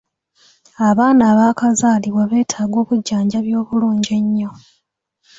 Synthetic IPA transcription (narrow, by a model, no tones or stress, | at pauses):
aβaːnaːβaːkazaːliβwaβe̞ːtʰaːɡo̞ːβuɟːaːɲɟaβjo̞ːβuluːɲɟe̞ɲːo